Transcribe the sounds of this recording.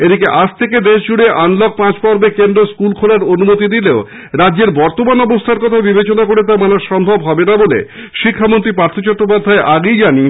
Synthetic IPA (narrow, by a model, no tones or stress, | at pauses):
ed̪ʱikeʔad͡ʑt̪ʰeked̪eʃd͡ʑuɽeʔanlɔk̚pãt͡ɕpɔɾbekend̪ɾoskulkʰolaɾonumot̪id̪ileo | ɾadːd͡ʑeɾbɔɾt̪omanɔbost̪ʰaɾkɔt̪ʰabibet͡ɕonakoɾet̪̬aɾmanaɾʃɔmbʱɔbɦɔbenabolḛ | ʃikʰːamont̪ɾipɾaɾt̪ʰot͡ɕɔt̪ːɾopad̪ʱːaeʔaɡejd͡ʑani